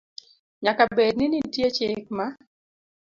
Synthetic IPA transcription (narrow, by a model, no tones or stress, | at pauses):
ɲakabednɪnitjet͡ʃɪkma